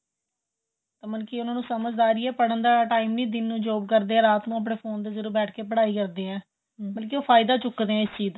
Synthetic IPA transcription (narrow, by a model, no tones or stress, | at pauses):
t̪aːməlkɪʊnãːnũːsəməd͡ʒd̪aːɾiːɛːpəɽənd̪aːʈaːimniːd̪ɪnːũːd͡ʒoːb̚kəɾd̪eːɛ̃ːɾaːt̪nũːəp̬ɽeːpʰoːnd̪eːzəɾuɾbɛːʈʰkeːpəɽaːiːkəɾd̪eːɛ̃ː | bəlkɪoːpʰaːɪd̪aːt͡ʃʊkd̪eːɛ̃ːɪst͡ʃiːz